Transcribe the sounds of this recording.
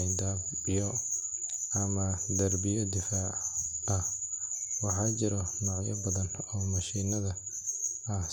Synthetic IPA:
jd̪aːb | bɪjɔ | ɐmɐd̪ɐrbɪjɐd̪ɪfaːʕɐh | wɑħɑt͡ʃɪɾɔnɔːʕjɐ̰bɐðɐnɔːmɐʃiːnɐðɐ | ɐ

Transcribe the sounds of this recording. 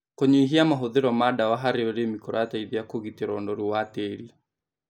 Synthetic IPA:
koɲeiɦiamaɦoðeɾɔmadawaɦaɾeoɾemikoɾataiðeakoɣiteɾɔndɔɾuwateːɾia

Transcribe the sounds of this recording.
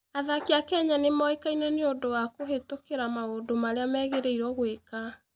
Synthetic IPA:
aðakeakɛɲanemɔekainɛneodowakoɦetokeɾamaodomaɾeamɛɣeɾeiɾwɔɣweka

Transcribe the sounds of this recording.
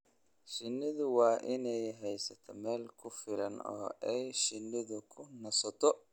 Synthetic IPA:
ʃɪnːɪðʊwɑːʔɪnɛjɦɛjsɐt̪ʰɔmɛːlkʰʊfɪlɐnɔ̰ːʔɛjʃɪnːɪðʊkʰʊnɐsɐt̪ʰɔ

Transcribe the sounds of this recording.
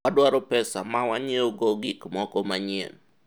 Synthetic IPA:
adwaɾɔpɛsamawaɲeoɡoɡikmɔkɔmaɲḛn

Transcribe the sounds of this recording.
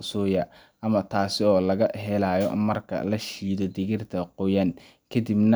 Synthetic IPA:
sɔːjɐ | ʔɐmɐt̪ʰaːsɪɔːlɐɣɐɦɛlaːjɔ̰mɐrkʰɐ̰lɐʃiːd̪ɔd̪ɪɣɪrt̪ʰɐqʊjan | kʰɐd̪ibnɐ

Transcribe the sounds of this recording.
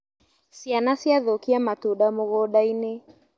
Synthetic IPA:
sianasiaðokiamatuɗamoɣɔɗaine

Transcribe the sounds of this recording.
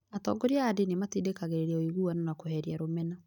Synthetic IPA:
atɔ̰ɡoɾjaːdenematidekaɣeɾeɾɛoiɣuanonakoɦɛɾjaɾomɛna

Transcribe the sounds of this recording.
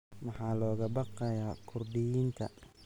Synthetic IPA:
mɑħɑːlɔːɣɐbɑqɛjaːkʰʊrɖɪjiːnt̪ʰɐ̰

